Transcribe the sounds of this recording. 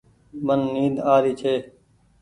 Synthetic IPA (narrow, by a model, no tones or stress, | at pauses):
mənːiːd̪aːɾiːt͡ʃʰeː